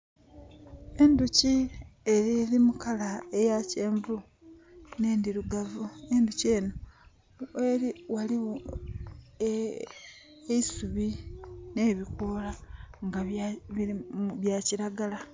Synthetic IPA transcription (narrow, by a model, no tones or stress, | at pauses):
e̞nducieɾiɾimukalaejace̞ːɱvu | ne̞ːndiɾuɡavue̞nduce̞ːno | eɾiwali | eisuβine̞ːβikoːlaŋɡa | βjaciɾaɡala